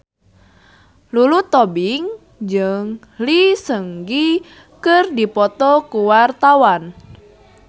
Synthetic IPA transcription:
lulut̪ɔbiŋ | d͡ʒɨŋ | lisəŋɡi | kərdipɔt̪ɔkuwart̪awan

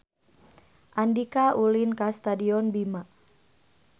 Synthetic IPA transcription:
ʔandikaulinkast̪adiɔnbima

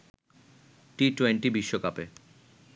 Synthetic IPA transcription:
ʈiʈweɳʈibiʃːokape

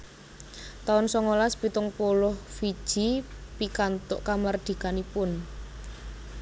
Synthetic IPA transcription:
t̪aʊnsɔŋolaspit̪ʊŋpolʊhfid̥ʒ̥i̤pikant̪ʊʔkamard̪̥i̤kanipʊn

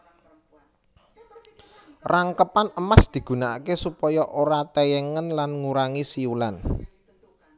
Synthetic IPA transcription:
raŋkəpanəmasd̪̥i̤ɡ̥ṳnaakesupɔjɔʔoɾat̪ɛjɛŋənlanŋuɾaŋisiulan

